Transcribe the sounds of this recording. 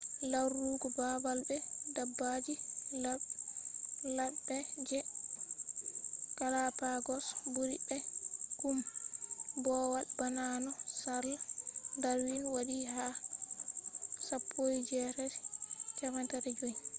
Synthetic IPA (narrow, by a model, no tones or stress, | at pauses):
laɾuɡɔbabalbɛdabːad͡ʒila | labɛd͡ʒɛ | kalapaɡɔsbuɾibɛkum | bɔwaɗbananɔsaɾlandaɾwinwaɗiɦa | sapʰːojd͡ʒɛɾɛɾkʰɛmantaɾɛd͡ʒoi